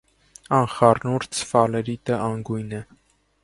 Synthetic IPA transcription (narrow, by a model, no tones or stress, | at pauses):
ɑnχɑrnuɾt͡sʰfɑlɛɾit̪əʔɑŋɡujnɛ